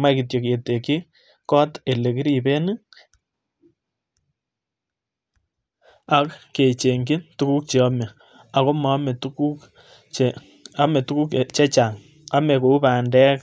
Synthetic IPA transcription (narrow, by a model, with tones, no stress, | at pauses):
ma˦ki˨t̬jo˨ke˨te˨ki˦ | kɔ˦te˨le˨ki˦ɾi˨be˦nɨ˦ | a˦kːe˨t͡ʃe˨ŋɡɪ˦tu˦ku˦k̚t͡ʃe˨ɔ˦me˨ | a˨ko˦ma˨˦m˨tuku˦k | a˦me˨tu˦ku˦kt͡ʃɛ˦t͡ʃa˨ŋ | a˦me˨ko˨u˦baː˨ndɛ˦k